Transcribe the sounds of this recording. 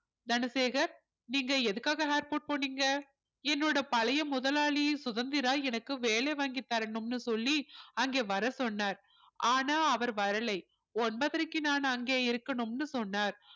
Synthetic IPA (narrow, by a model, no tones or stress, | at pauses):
d̪ɐnɐseːɣɐɾ | niːŋɡɐɛðɯkːaːɣɐɦaːɾpoːʈ̚poːnːiːŋɡɐ | ɛnːoːɽɐpɐlɐjɐmʊðɐlaːɭisʊðɐnd̪ɪɾaːɛnɐkːɯʋeːlɐɪʋaːŋɡɪt̪ːaːɾɛɳɯmnɯsɔlːiɐŋɡeːʋɐɾɐsɔnːaːɾ | ʔaːnaːɐʋɐɾʋɐɾɐlɐɪ | ɔnbɐðɐɾɯkːɯnaːnɐŋɡeːɪɾɯkːɐɳɯmnɯsɔnːaːɾ